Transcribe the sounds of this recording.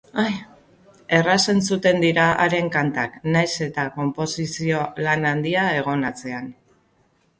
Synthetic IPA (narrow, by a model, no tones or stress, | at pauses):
aj | e̞rase̞nsut̪e̞nd̪iɾaa̰ɾe̞ŋkant̪aknajse̞t̪ako̞mpo̞sisio̞lanand̪iae̞ɣ̞o̞nat͡se̞an